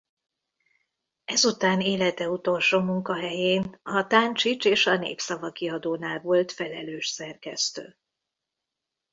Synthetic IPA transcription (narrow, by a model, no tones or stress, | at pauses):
ɛzut̪aːneːlɛt̪ɛut̪o̞lʃoːmuŋkɒɦɛjeːnɒt̪ant͡ʃit͡ʃeːʃɒnḛːpsɒvɒkiɒd̪oːnaːlvo̞lt̪fɛlɛløːʃsɛrkɛst̪ø̰ː